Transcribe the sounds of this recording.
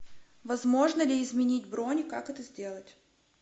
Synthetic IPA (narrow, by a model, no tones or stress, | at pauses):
vɐzmo̞ʐnəlʲɪɪzmʲɪnʲitʲbɾonʲɪkakɛt̪əzʲdʲe̞lˠətʲ